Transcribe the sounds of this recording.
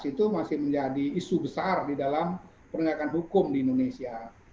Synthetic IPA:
sit̪umasɪhməɲd͡ʒadiːsubəsardidalam | pəɾəŋɡakanɦukʊmdiindonesia

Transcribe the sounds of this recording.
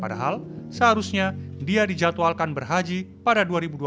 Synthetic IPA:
padaɦalsəɦaɾusɲadiadid͡ʒat̪oalkanbərɦad͡ʒi | padaduaɾibudu

